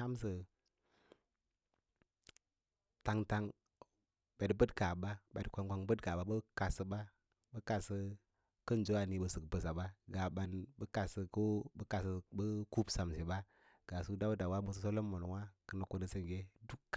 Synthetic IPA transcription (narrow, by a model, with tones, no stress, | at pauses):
a˦msə˨ | ta˨ŋta˦ŋ | ba˨dbə˦dka˨ɓa˦bdkʷa˨ŋkʷa˨ŋbə˦dka˨ba˨˦bə˦ka˨sə˨ɓa˦ | bə˦ka˨sə˦ | kə˦n˨d͡ʒo˦a˨ni˨bə˨sə˨kbə˨sa˨ɓa˦ɡa˨ɓa˨nbə˦ka˨sə˨ko˦bə˦ka˨sə˨bə˦ku˦bsa˨msi˨ba˦ | ɡ̥a˨su˦da˦wda˨wa˦mu˦˨s̬ə˦s̬o˦lo˦mːo˨n˨wa˦kə˦na˨ku˨nə˨sə˦ŋ˨ɡe˦du˦kː